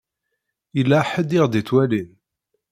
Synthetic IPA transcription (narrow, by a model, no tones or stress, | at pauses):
ilːaħəd̪iʁd̪it͡sːwælin